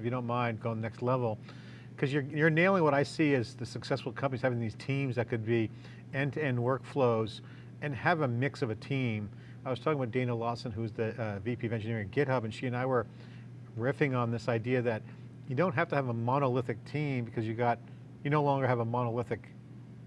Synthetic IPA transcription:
ɨfjɨɾõʊ̃nmãɪ̃ndɡoʊɪ̃ŋənɛkstˡlɛvl̩ˠ | kʰʌzjə˞jə˞neɪlˠɪ̃ŋwʌɾaɪsiɪzðɨsɨksɛsfl̩ˠkʰʌ̃mpəniz̥hævɪ̃ŋðiz̥tʰĩmzðɨt̚kʰɨd̚bi | ɛ̃ntɛ̃n̚wɜ˞kfloʊz | ɨ̃nɨvəmɪksʌvɨtʰĩm | aɪwʌz̥tʰɔkɪ̃ŋəbat̚d̥ẽɪñəlɔsɨ̃nɦʉzðɨvipʰivɛ̃nd͡ʒɨnɪɹɪ̃ŋɡɛɾʌpɨ̃nʃiɨ̃naɪwə˞ | ɹɪfɪ̃ŋə̃nðɪsaɪdiɨðɨt | jɨdõʊ̃n̚ɦhæftɨːvəmɑñəlɪθɨk̚tʰĩmbɨkʰʌzjɨɡɑt̚ | jɨnoʊlɔ̃ŋɡə˞ɨvəmɑnəlɪθɨk

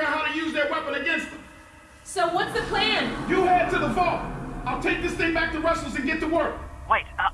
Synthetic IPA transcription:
əɦaʊɾɨjʉzðə˞wɛpɨ̃nɨɡɛ̃nsðə̃m | soʊwʌtsðɨpʰl̥æ̃njɨæd̚tɨðəfɔlˠtaɪlˠtʰeɪk̚ðɪsθɪ̃ŋbæk̚tʰəɹɛsl̩ˠzɨ̃nɡɛtʰəwɜ˞k̚weɪt

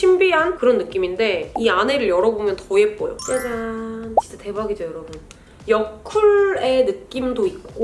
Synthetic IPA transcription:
ɕʰimbiɦankɯɾʌnːɯk͈iminde̞iane̞ɾɯɭjʌɾʌbomjʌntʌe̞p͈ojok͈ad͡ʑant͡ɕit͡ɕ͈ate̞baɡid͡ʑojʌɾʌbun | jʌkʰuɭe̞nɯk͈imdoit̚k͈o

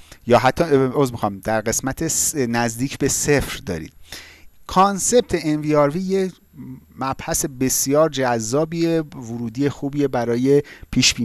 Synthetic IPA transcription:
jɒːɦæt̪ʰːɒozmixɒmd̪æɾɢe̞smæt̪ʰesnæzd̪iːcʰbe̞sefɾd̪ɒ̰ːɾḭːd̪̥kʰɒnse̞b̚t̪ʰe̞enviːɒːɾviːje | mæb̥hæse̞be̞sjɒːɾd͡ʒæzːɒːbievʊɾuːd̪ijexuːbijebæɾɒːje̞pʰiːʃbiː

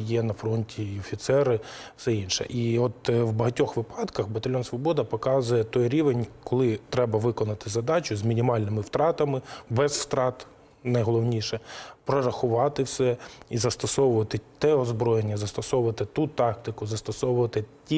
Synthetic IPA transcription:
jɛnɐfɾɔnʲtʲiɔfʲit̪sɛɾɪfsɛinʃɛ̰ʔiɔt̪wbɐɦɐtʲɔxʋɪpɑd̪kɐxbɐt̪ɐlʲɔnsʋɔbɔd̪ɐpɔkɑzʊjɛt̪ɔjɾʲiʋenʲkɔlˠɪt̪ɾɛbɐʋɪkɔnɐt̪ɪzɐd̪ɑt͡ʃʊzmʲinʲimɑlʲnɪmɪwt̪ɾɑt̪ɐmɪbɛzft̪ɾɑt̪ | nɐjɦɔlˠɔwnʲiʃɛpɾɔɾɐxʊʋɑt̪ɪwsɛizɐst̪ɔsɔʋʊʋɐt̪ɪt̪ɛɔzbɾɔjenʲːɐzɐst̪ɔsɔwʊʋɐt̪ɪt̪ut̪ɑk̚t̪ɪkʊzɐst̪ɔsɔwʊʋɐt̪ɪtʲi

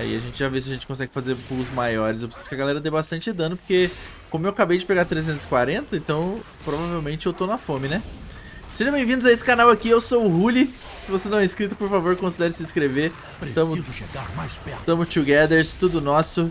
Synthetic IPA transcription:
ɛ̰ḭaʒẽnt͡ʃɪʒaves̬ɪɐʒẽnt͡ʃɪ̥kõsɛɡɪfazeɾpuɡʊzmajɔɾɪsewpɾɪsizʊ̥kɪɐɡalɛɾɐd̪ebast̪ɐ̃nt͡ʃɪed̪ɐ̃d̪ʊpoɾke | kõmʊewakabejd͡ʒɪpeɡat̪ɾezẽnt̪ʊz̥ɪ̥kwaɾẽnt̪ɐẽnt̪ɐ̃w̃ | pɾovavewmẽnt͡ʃɪewt̪onɐfõmɪnɛ | seʒɐ̃bẽj̃vĩd̪ʊzaesɪ̥kanawakiewsowʊɦulɪ | sɪvosenɐ̃w̃ɛiskɾit̪ʊ̥poɾfavoɾkõsid̪ɛɾɪsɪskɾeveɾ | pet̪ɐ̃mʊizʊʃeɡamajspɛt̪ɐ̃mʊt͡ʃ̪uɡɛd̪eɾst̪ud̪ʊnɔsʊ

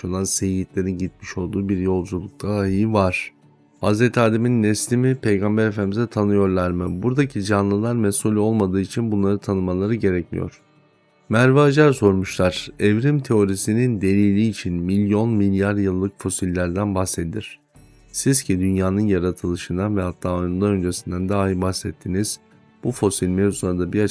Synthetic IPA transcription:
olnˠansejɟit̪ʲlʲe̞ɾinɟit̪̚miʃo̞lˠd̪uːbiɾjo̞lˠd͡ʒulˠuk̚t̪ʰaɦivaɾ̥ | hazɾɛt̪ʰaːd̪eminːɛslʲimipʰe̞jɡambɛɾefænʲimizɛt̪ʰanɯjo̞ɾlˠaɾmɯbuɾd̪acʰid͡ʒanlˠɯlˠaɾmɛsulʲo̞lˠmad̪ɯːit͡ʃʰinbunlˠaɾɯt̪ʰanɯmalˠaɾɯɟe̞ɾɛcmḭjo̰ɾ̥ | mæɾvaːd͡ʒaɾso̞ɾmuʃlˠaɾ̥ɛvɾimt̪ʰe̞o̞ɾisinind̪e̞lʲiːlʲiːt͡ʃʰinmilʲjo̞nmilʲjaɾjɯlˠːɯkfo̞silʲːæɾd̪ænbaxsed̪id̪ʲiɾ̝̥ | sizcʰid̪ynjaːnɯnjaɾat̪ʰɯlˠɯʃɯnd̪anvɛhat̪ʰːaːonund̪aø̞nd͡ʒe̞sind̪ænd̪aːɦibaxsɛt̪ʰːiniz̥ | b̥ufo̞silʲmezu̥ad̪abia

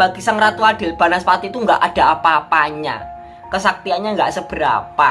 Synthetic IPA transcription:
b̥aɡ̥isaŋrat̪uaɖ̪̥ɪ̤lb̥a̤naspat̪it̪uŋɡaʔad̥a̤apaːpaɲa̰ | kəsak̚t̪ianɲaŋɡaʔsəb̥əɾa̰pa

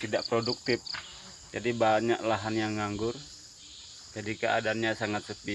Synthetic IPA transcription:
t̪idaʔpɾoduk̚t̪ɪp̚ | d͡ʒadibaɲaʔlaɦanjaŋːaŋɡʊr | d͡ʒadikəʔa̰daːnɲasaŋat̪̚səp̪i

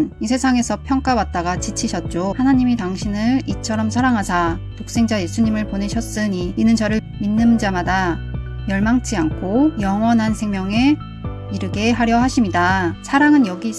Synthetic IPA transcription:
isʰe̞sʰaŋe̞sʰʌpʰjʌŋk͈awat̚t͈aɡat͡ɕit͡ɕʰiɕʰʌt̚t͡ɕ͈ohanaɲimitaŋɕʰinɯɭit͡ɕʰʌɾʌmsʰaɾaŋɦasʰatok̚s͈e̞ŋd͡ʑaje̞sʰuɲimɯɭpone̞ɕʰʌs͈ɯɲiːnɯnt͡ɕʌɾɯɭ | minːɯnd͡ʑamada | jʌɭmaŋt͡ɕ͈ʰiankʰojʌŋwʌnɦansʰe̞ŋmjʌŋe̞ | iɾɯɡe̞ɦaɾjʌɦaɕʰimɲidasʰaɾaŋɯnjʌɡi

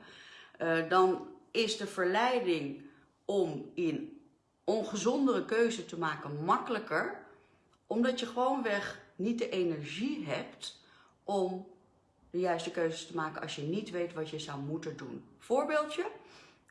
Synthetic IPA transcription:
dɑnɪzdəvəɹlɛjdɪŋ | ɔmɪn | ɔnχəzɔndərəkøɥzətəmaːkənmɑkələkəɹ | ʔɔmdɑtjəχəʋownʋɛχnit̚dəʔejnɛɹʒiɦɛpt | ʔɔm | dəjœɥstəkøɥzəstəmaːkənɑ̰sjənitʋejtʋɑtjəzʌwmutəndunv̥ʊːɹbeːlˠtjə

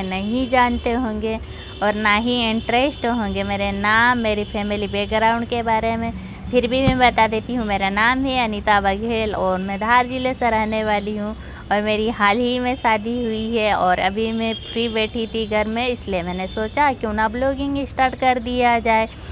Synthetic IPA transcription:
nɐɦĩd͡ʒaːnt̪eɦõːŋɡe | ɔːɾnaːɦiɪ̃ɳʈɾesʈɦõːŋɡemeːɾenaːmːeːɾipʰɛːmɪlibeːɡɾaːʊ̃ɳɖkebaːɾemẽ | pʰɪɾbʱimɛ̃bɐt̪ad̪eːt̪iɦũmeːɾanaːmɦɛɐnit̪abɐɡʱeːlɔːɾmɛ̃d̪ʱaːɾd͡ʒilesɐɾɐɦneʋaːliɦũ | ɔːɾmeːɾiɦaːlɦimẽsaːd̪ʱiɦʊiɦɛɔːɾɐ̰bʱimẽpɾibeːʈiʈ̪iɡəɾmẽɪsliemɛ̃ːnesoːt͡ʃakiʊnabloːɡɪ̃ŋɡɪsʈaːɾʈkɐɾd̪ijad͡ʒaːe

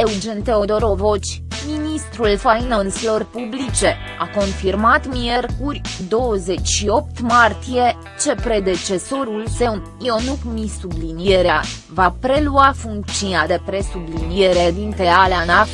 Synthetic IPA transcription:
e̞wd͡ʒe̞nt̪e̞o̞d̪o̞ɾo̞vo̞t͡ʃʲ | minist̪ɾulfajinonsilo̞rpublit͡ʃe̞ | ako̞nfirmat̪mierkurʲd̪o̞wəze̞t͡ʃʲʃio̞p̚t̪mart̪ije̞ | t͡ʃe̞pɾe̞d̪e̞t͡ʃe̞so̞ɾulse̞un | ionukmisublinie̞ɾea | vapɾe̞luafuŋk̚t̪sinad̪e̞pɾe̞sublinie̞ɾed̪int̪e̞aleana

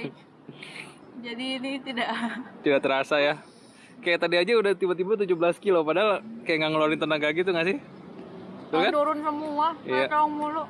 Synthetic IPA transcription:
d͡ʒadiːnit̪idaʔt̪idaʔt̪əɾasaja | kajat̪adiad͡ʒaudaht̪ibart̪ibʊrt̪ud͡ʒubəlaskilopadaɦalkajaŋɡaŋəloɾɪnt̪ənaŋɡaɡit̪uŋasɪh | t̪ukaduɾʊnsəmuaiatoŋmulu

